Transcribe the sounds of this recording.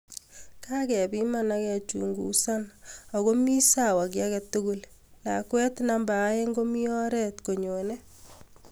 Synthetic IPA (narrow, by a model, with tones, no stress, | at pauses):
ka˦kɛ˨bi˦manakɛ˨t͡ʃṵ˨ŋɡṵ˨sa˦nɔ˨ɣo˦mi˦sa˨wa˨k̬ja˦kɛ˨tu˦ɡulla̰˨kwɛ˦tnambaː˨˦je˦ŋɡo˦mi˦ɔ˦ɾɛ˦tko˨ɲo˨nɛ˦